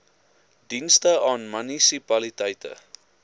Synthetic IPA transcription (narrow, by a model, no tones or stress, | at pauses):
dinstəɑːnmynisipɐlitɛjtʰə̰